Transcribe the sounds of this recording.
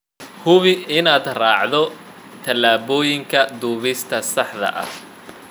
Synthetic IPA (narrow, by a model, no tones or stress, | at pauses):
hʊβɪɪnaːd̪rɑːʕðɔ | t̪ʰɐlːaːβɔːjɪŋkʰɐd̪uːβɪst̪ʰɐsɐħðɐ̰ʔɐ̰h